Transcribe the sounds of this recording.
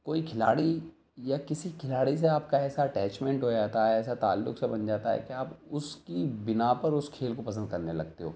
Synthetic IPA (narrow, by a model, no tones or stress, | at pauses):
koːikʰɪla̰ːɽi | jakɪsikʰɪlaːɽis̬eaːpkaɛːsaɐʈɛːt͡ʃmɛ̃ɳʈɦoːd͡ʒaːt̪aɦɛɛːsat̪a̰ːlːʊ̰ksebɐnd͡ʒaːt̪aɦɛ̰keaːpʊskibɪnapɐɾʊskʰeːlkopɐs̬ə̃nd̪̚kɐɾnelɐɡ̚t̪eɦo̰ː